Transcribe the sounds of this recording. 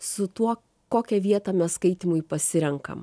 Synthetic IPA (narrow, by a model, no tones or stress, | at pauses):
sʊt̪uɔ | koːkʲɛʋʲiɛt̪ɑːmʲɛsskɐɪt̪ʲɪmʊjpɐsʲɪɾʲɛŋkɐ̰m